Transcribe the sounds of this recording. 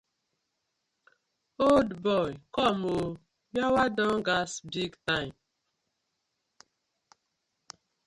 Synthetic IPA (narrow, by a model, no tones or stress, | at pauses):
oldbɔjkɔmo | jawadɔŋɡasbiɡtaɪm